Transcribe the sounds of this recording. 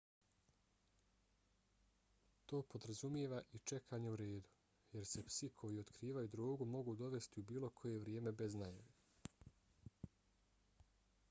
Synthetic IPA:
t̪o̞ːpo̞d̪ɾazumjeʋaʔit͡ʃe̞kʰaːɲeuɾe̞ːd̪u̥ | je̞ɾse̞psikʰo̞jio̞t̪kɾiːʋajud̪ɾoːɡumo̞ɡud̪o̞ʋe̞st̪iubiːlo̞kʰo̞je̞ʋɾjeːme̞beznajaʋe

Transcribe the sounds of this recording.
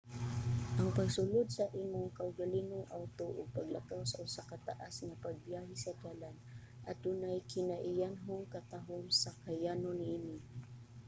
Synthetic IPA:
ʔaŋpaɡsʊlʊd̪̚saʔiːmʊŋkaʊɡalinʊŋʔawt̪oʔʊ̰ɡ̚paɡlakawsaʔʊsakat̪a̰ʔasŋapaɡ̚bjaɦɪsad̪alan | ʔad̪ʊnajkɪnaʔɪjanɦʊŋkat̪aɦʊmsakajanʊninɪ

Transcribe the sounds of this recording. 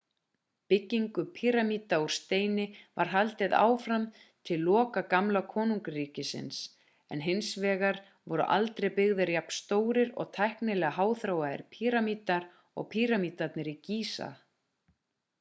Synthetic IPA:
pɪcːiŋkʏpʰiɾamiːt̪auɾ̥st̪eːjnɪvaɾ̥ɦalt̪ɪða̰ːwfɾam | t̪ʰɪlːɔːkakamlakʰɔːnuŋkriːcɪsɪ̰ns | ɛ̰nɦɪnsvɛːɣaɾ | vɔɾʏ̰ʔa̰lt̪ɾejpɪɣðʏɾjapn̥st̪oːwɾɪɾɔ̰ɣt̪ʰajhknɪlɛɣaɦaːwθɾaːwaðɪ̰ɾpʰiːɾamiːt̪aɾ | ɔ̰ɣpʰiːɾamiːt̪at̪nɪɾiciːsa̰

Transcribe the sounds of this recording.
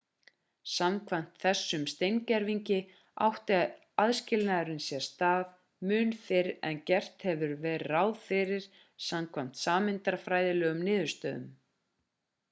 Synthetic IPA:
samkʰvam̥t̪θɛsːʏmst̪ejŋcaɾviɲcɪ | a̰wht̪ɪað | aðscɪlnaɾʏnsjɛ̥st̪aːv | mʏːnfɪɾɛ̰ncɛr̥t̪hɛvʏɾvɛrrawðfɪɾɪɾ̥ | samkʰvam̥t̪saːmɪnt̪aɾ̥fɾaːjðɪlœːɣʏmnɪːðʏɾ̥st̪œːðʏ̰m

